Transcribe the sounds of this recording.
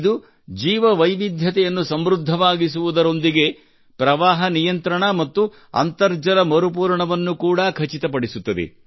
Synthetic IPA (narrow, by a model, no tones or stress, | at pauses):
d̪u | d͡ʒiːʋɐʋɐjʋid̪ʱjɐt̪ɛjɐnːusɐmɾud̪ʱːɐʋaːɡisuʋud̪ɐɾo̞nd̪iɡe̞ | pɾɐʋaːɦɐnijɐnt̪ɾɐɳɐmɐt̪ːu | ɐ̰nt̪ɐɾd͡ʒɐlɐmɐɾup̬uːɾɳɐʋɐnːukuːɽɐkʰɐt͡ʃit̪ɐpɐɽisut̪ːɐd̪ḛ